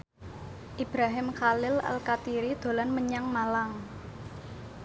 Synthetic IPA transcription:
ʔib̥ɾaɦɪmkalɪla̰lkat̪iɾid̪̥o̤lanməɲaŋmalaŋ

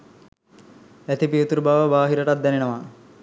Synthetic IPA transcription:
æt̪ipiet̪uɾbaʋəbaːɦiɾəʈat̪̚d̪ɛnenəʋa

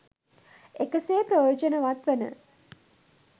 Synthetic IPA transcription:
ekəseːpɾəjoːd͡ʒənəʋat̪ʋənə̰

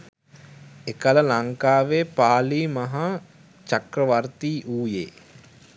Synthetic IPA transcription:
ekələlaŋkaːʋeːpaːliːmɐɦa | t͡ʃakɾəʋart̪iːʔuːjḛː

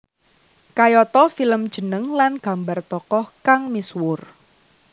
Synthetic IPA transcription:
kajɔt̪ɔfiləmd̥ʒ̥ə̤nəŋlanɡ̥a̤mbart̪ɔkɔhkaŋmiswʊr

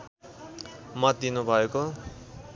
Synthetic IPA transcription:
mʌt̪̚d̪inubʱʌeko

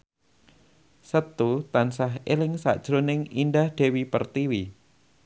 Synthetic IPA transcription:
sət̪ut̪ansaɦelɪŋsa̰ʔd̥ʒ̥ɾonɪŋindahɖ̥e̤wipə̰rt̪iwi

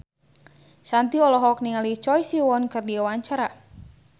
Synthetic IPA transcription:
sant̪iɔlɔɦɔk̚niŋalit͡ʃɔjsiwɔnkɨrdiawaɲt͡ʃaɾa

